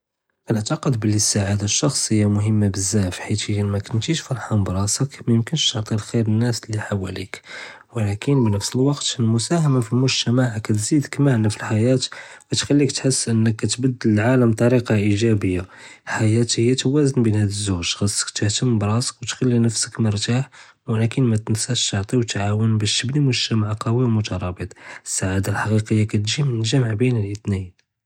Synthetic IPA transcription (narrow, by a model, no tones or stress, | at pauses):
ʔænəʕt̪ɑqəd̪bəlːisaʕad̪aʃːɑxsˤhəjːamʊɦəmːabəzːæfħit̪həjmækʊnt̪iʃfɑɾˤħɑmbɾˤɑsəkmæjəmkənʃt̪əʕt̪ˤilxiɾənːæsliħawæ̰lḭk | wəlækənbnəfsəlwɑqt̪mʊsæhæmafilmʊʒt̪æmaʕkæt̪zid̪əkmaʕnafilħajæt̪wæt̪xælːik̚t̪ħəsːʔənːəkːæt̪bəd̪ːələlʕaləmt̪ˤɑɾiqɑʔiʒæbəjːalħajæt̪həjːæt̪wæzənbinhæd̪əzːuʒɣəsˤːə̥kt̪əht̪əmbɾˤɑsə̥kwt̪xælːinəfsə̥kməɾˤt̪aħ | wælækənmæt̪ənsæʃt̪əʕt̪ˤiwt̪ʕawənbæʃt̪əbnimʊʒt̪æmaʕqɑwimʊt̪ɑɾˤɑbət̪ˤəsːaʕad̪alħɑqiqəjːakæt̪ʒimənəʒæməʕbinəlʔət̪nin